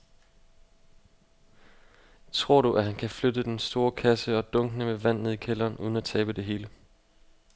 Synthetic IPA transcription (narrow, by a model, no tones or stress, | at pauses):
t͡sʰʁo̝ɐ̰ɾuʔæɦænkʰæflød̥əd̥ensd̥o̝ːɐkʰæsəɒ̽d̥ɔ̽ŋɡ̥nəmeʋæn̰eð̩̰ˠikʰelɐːnʔuð̞ˠən̩æt͡sʰɛːb̥əd̥e̝ɦe̝ːlə